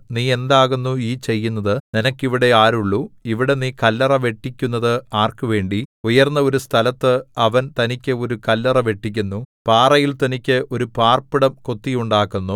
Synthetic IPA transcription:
niːe̞nd̪aːɣunːuiːt͡ɕe̞jːunːɐðɨninɐkːiʋiɽe̞aːɾuɭːuiʋiɽe̞niːkɐlːɐrɐʋe̞ʈːikʲːunːɐðɨaːrkuʋe̞ːɳɖiujɐrnːɐo̞ɾust̪ʰɐlɐt̪ːɨɐʋɐnt̪ɐnikʲːɨo̞ɾukɐlːɐrɐʋe̞ʈːik̬ʲːunːupaːrɐjilt̪ɐnikʲːɨʔo̞ɾupaːrpiɽɐmko̞t̪ːijuɳɖaːkːunːu

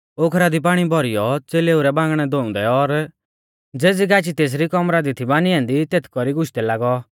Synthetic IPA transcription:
okʰɾad̪ip̬aːɽ̃ibʱɔɾijɔt͡seːleuɾɛbãːŋɡɽ̃ɛd̪oʊ̃nd̪ɛɔɾ | d͡zeːd͡ziɡaːt͡ʃit̪eːs̬ɾikɔmɾad̪it̪ʰibaːniɛ̃ːnd̪it̪eːt̪ʰkɔɾiɡʊʃt̪ɛlaːɡɔ

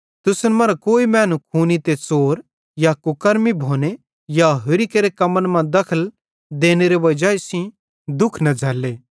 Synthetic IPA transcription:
t̪ʊsnmɐɾakoːimɛ̃ːnũkʰuːnit̪et͡soːɾ | jakʊkəɾmibʱoːne | jaɦʊɾikeɾekɐmənmãd̪ɐkʰəl | d̪eːneɾeʋɐd͡ʒaesĩ | d̪ʊkʰnɐd͡zʱɐːleː

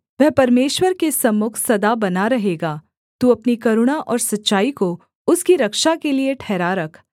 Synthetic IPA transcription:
ʋɛɦpɐɾmeːʃwəɾkesɐmːʊkʰsɐd̪abɐnaɾɐɦeːɡaː | t̪uɐpnikɐɾʊɽ̃aʔɔːɾsɐtːʃaːiko | ʊskiɾɐkʃakelieʈʰɛːɾaɾɐkʰ

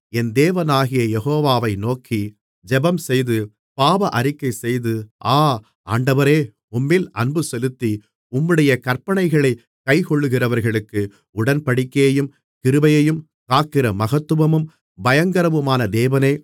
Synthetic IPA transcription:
ɛnd̪eːʋɐnaːɣɪjɐjɛɣoːʋaːʋɐɪnoːkʰi | d͡ʒɛbɐmsɛjðɯ | paːʋɐʔɐɾɪkːɐɪsɛjðɯaː | aːɳɖɐʋɐɾeː | ʊmːɪlɐnbɯsɛlɯt̪ːi | ʊmːɯɽɐjɐkɐɾpɐɳɐɪɣɐɭɐɪ | kɐɪkɔɭːɯɣɪrɐʋɐɾɣɐɭɯkːɯ | ʊɽɐnpɐɽɪkːeːjɯm | kɪɾɯbɐjɐjɯm | kaːkːɪrɐmɐɣɐt̪ːɯʋɐmɯm | bɐjɐŋɡɐɾɐʋɯmaːnɐd̪eːʋɐneː

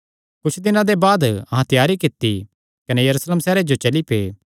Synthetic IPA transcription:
kʊt͡ʃʰd̪ɪnãd̪ebaːd̪ɐɦãt̪ɪjaːɾikɪt̪ːi | kɐnɛjɐɾuːsleːmsɛːɾed͡ʒot͡ʃɐlipḛː

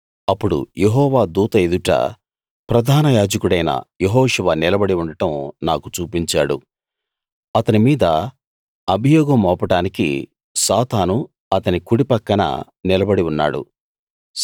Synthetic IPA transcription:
ɐpːuɽṵjeɦɔːʋaːd̪uːt̪ɐed̪uʈɐ̰ | pɾɐd̪ʱaːnɐjaːd͡ʒɐkuɽɐjnɐ̰jeɦɔːʂɐʋɐnilɐbɐɽiuɳɖɐʈɐmnaːkut͡ʃuːpiɲt͡ʃa̰ːɽṵ | ɐt̪ɐnimiːd̪ɐ | ɐbʱijɔːɡɐmɔːpɐʈaːnikḭ | saːt̪aːnu | ɐt̪ɐnikuɽipɐkːɐnɐ̰ | nilɐbɐɽiunːa̰ːɽṵ

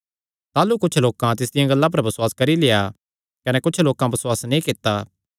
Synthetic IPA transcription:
t̪aːlukʊt͡ʃʰloːkãt̪̬ɪs̬d̪ɪjãɡɐlːãp̬ɐɾbɐsʊwaːskɐɾileja | kɐnɛkʊt͡ʃʰloːkãbɐswaːsnĩkɪt̪ːaː

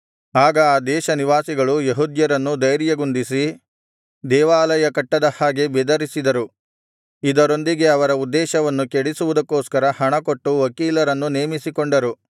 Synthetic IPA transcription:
aːɡɐaːd̪ɛːʃɐniʋaːsiɡɐɭujeɦud̪jɐɾɐnːud̪ɐjɾjɐɡund̪isi | d̪ɛːʋaːlɐjɐkɐʈːɐd̪ɐhaːɡe̞bɛd̪ɐɾisid̪ɐɾu | id̪ɐɾo̞nd̪iɡe̞ɐʋɐɾɐud̪ːɛːʃɐʋɐnːukeɽisuʋud̪ɐkːoːskɐɾɐhɐɳɐko̞ʈːuʋɐkiːlɐɾɐnːuneːmisikoɳɖɐɾu

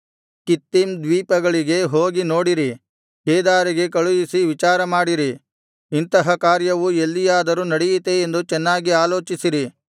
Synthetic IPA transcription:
kit̪ːimd̪ʋiːpɐɡɐɭiɡe̞ɦoːɡino̞ːɽiɾi | keːd̪aːɾiɡe̞kɐɭujisiʋit͡ʃaːɾɐmaːɽiɾi | int̪ɐɦɐkaːɾjɐʋuelːijaːd̪ɐɾunɐɽɛjit̪eːnd̪ut͡ʃɛnːaːɡiaːlo̞ːt͡ʃisiɾi

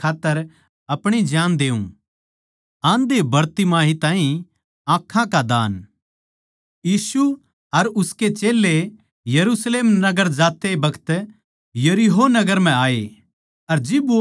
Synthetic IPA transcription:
aːt̪ːəɾ | ɐpɽ̃id͡ʒjãːnd̪eːṵ̃ | ãːnd̪ebɐɾt̪imaːɦit̪ãːĩ | ãːkʰːãkad̪aːn | jiːsu | ɐɾʊsket͡ʃeːlːe | jɐɾusleːmnɐɡəɾd͡ʒaːt̪ebɐkʰə̥t̪ | jɐɾiɦonɐɡəɾm̤ɛ̃aːe | ɐɾd͡ʒɪb

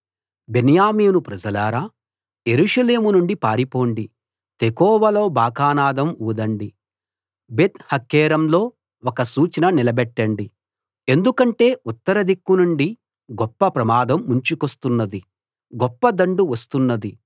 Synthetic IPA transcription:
benjaːmiːnupɾɐd͡ʒɐlaːɾaː | je̞ɾuːʂɐle̞ːmunuɳɖipaːɾipo̞ːɳɖi | t̪ekɔːʋɐlo̞ːbʱaːkaːnaːd̪ɐmuːd̪ɐɳɖi | bet̪hɐkːɛːɾɐmlo̞ː | ɔkɐsuːt͡ʃɐnɐnilɐbɛʈːɐɳɖi | e̞nd̪ukɐɳʈe̞ːut̪ːɐɾɐd̪ikːunuɳɖi | ɡɔpːɐpɾɐmaːd̪ɐmːuɲt͡ʃukost̪unːɐd̪i | ɡɔpːɐd̪ɐɳɖuʋɐst̪unːɐd̪i

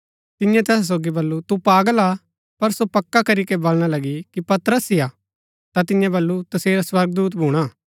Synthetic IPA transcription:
t̪ɪjãt̪ɛːs̬s̬oːɡibɐlːut̪upaːɡəla | pɐɾsopɐkːakɐɾikebolɽ̃alɐɡikipɐt̪ɾəsɪja | t̪at̪ɪjãbɐlːut̪ɐseːɾaswɐɾɡd̪uːt̪̬bʱuːɽ̃aː

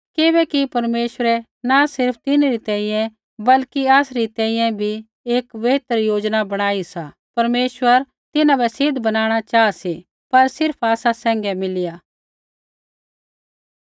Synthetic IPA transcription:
kɪbɛkipɐɾmeːʃʋəɾɛ | nasɪɾp̚ʰt̪ɪnɾit̪ɛ̃ːĩjɛ̃ | bɐlkiaːsɾit̪ɛ̃ːĩjɛ̃bʱi | eːkʋeɦt̪əɾjoːd͡ʒnabɐɽ̃aːisa | pɐɾmeːʃwəɾ | t̪ɪnãbɛsɪd̪ʱbɐnaːɽ̃at͡ʃaːasi | pɐɾsɪɾpʰaːsasɛ̃ːŋɡɛmɪlɪja

